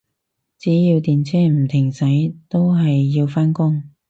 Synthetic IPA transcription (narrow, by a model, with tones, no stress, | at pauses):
t͡siː˨˥jiː˧wt̪iː˨nt͡sʰɛː˥m̩˨˩t̪ʰɪ˨˩ŋsɐ˨˥jt̪o˥wɦɐ˨jːi˧wfaː˥nkʊ˥ŋ